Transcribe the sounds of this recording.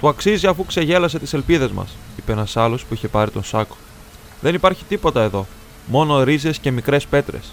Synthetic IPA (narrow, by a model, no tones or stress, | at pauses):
t̪uɐksiziɐfukse̞ʝe̞lɐse̞t̪i̥se̞lpiðe̞zmɐ̰sipeenɐsɐlo̞spuiçe̞pɐɾit̪o̞nsɐko̥ | ðe̞nipɐɾçi̥t̪ipo̞t̪ɐe̞ðo̞ | mo̞no̞ɾize̞sce̞mikɾe̞spe̞t̪ɾe̞̰s